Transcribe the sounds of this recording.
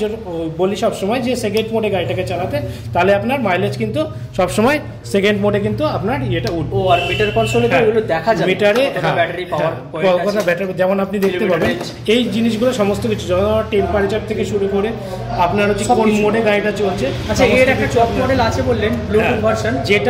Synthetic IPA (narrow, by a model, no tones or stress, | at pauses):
oɾboliʃɔbʃɔmɔed͡ʑesekeɳɖmoɖeɡajʈaket͡ɕalat̪e | t̪aleapnaɾmajlet͡ɕkint̪u | ʃɔbʃɔmɔe | sekeɳɖmoɖekint̪uapnaɾeʈauʈbaɾmiʈaɾkɔnsolet̪eeɡulod̪ɛkʰad͡ʑamiʈaɾeɔɦãbɛʈaɾipaaɾ | ɔkɔt̪ʰabɛʈaɾd͡ʑɛmonapnid̪ek̪epaben | ejd͡ʑiniʃɡuloʃɔmost̪okit͡ɕʰud͡ʑɔt̪ʰoaaɾʈenpaɾit͡ɕaʈ̚t̪ʰekeʃuɾukoɾe | apnaɾot̪ikonmoɖeɡajʈat͡ɕolt͡ɕʰe | at͡ɕʰaeɾɛk̚at͡ɕɔpmɔɖelat͡ɕʰebolːenbluiŋbʱaɾʃond͡ʑeʈ